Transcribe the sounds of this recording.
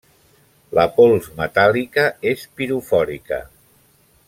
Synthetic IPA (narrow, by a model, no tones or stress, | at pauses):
ləpɔlˠzmət̪alikəespiɾufɔɾikə̰